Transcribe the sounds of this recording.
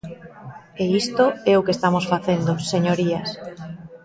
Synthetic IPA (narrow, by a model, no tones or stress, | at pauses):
eist̪oɛokest̪amosfaθend̪oseɲoɾias